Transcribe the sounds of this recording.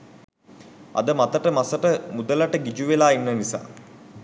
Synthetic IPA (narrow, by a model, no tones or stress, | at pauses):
ɐ̰d̪əmat̪əʈəmasəʈəmud̪ələʈəɡid͡ʒuʋelaːinːənisa̰ː